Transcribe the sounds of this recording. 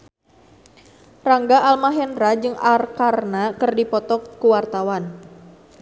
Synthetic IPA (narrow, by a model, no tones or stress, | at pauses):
raŋɡaʔalmaɦɛnɾad͡ʒɨŋarkarnakɨrdipɔt̪ɔkːuwart̪awan